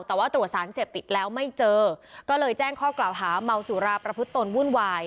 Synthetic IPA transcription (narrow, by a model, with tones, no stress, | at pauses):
t̪ɛː˨˩waː˥˩t̪ɾu˨˩t̪̚saː˩˦nseː˨˩p̚t̪i˨˩t̪̚lɛː˦˥wma˥˩jt͡ɕɤː˧kɔː˥˩lɤː˧jt͡ɕɛː˥˩ŋkʰɔː˥˩klaː˨˩wɦaː˩˦ma˧wsuː˨˩˦ɾaː˧pɾa˧pʰɯ˦˥t̪ːo˧nwuː˥˩nwaː˧j